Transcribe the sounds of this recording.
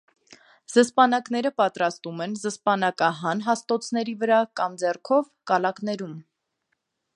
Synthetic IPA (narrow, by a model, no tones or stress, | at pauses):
z̥əspɑnɑknɛɾəpɑt̪ɾɑst̪umɛnzəspɑnɑkɑɦɑnɦɑst̪ɔt͡sʰn̪ɛɾivəɾɑkɑmd͡zɛrkʰɔvkɑlɑknɛɾum